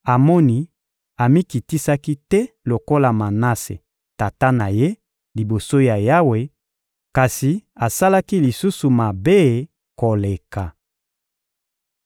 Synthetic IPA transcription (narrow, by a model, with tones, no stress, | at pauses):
a˨mɔ˦ni˦ | a˨mi˦ki˨ti˦sa˦ki˦tɛ˦ | lo˨ko˦la˨ma˨na˦sḛ˨ | ta˨ta˦na˨je˦ | li˨bo˨so˦ja˨ja˦we˨ | ka˨si˨a˨sa˦la˦ki˦li˨su˦su˨ma˨be˦ | ko˨le˨ka˨